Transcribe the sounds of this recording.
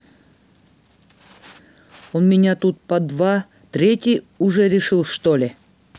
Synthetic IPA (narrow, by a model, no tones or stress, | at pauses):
onmʲɪnʲat̪ut̪̚pɐd̪va | t̪ɾʲetʲij | ʊʐɛɾʲɪʂɨlˠʂt̪olʲɪ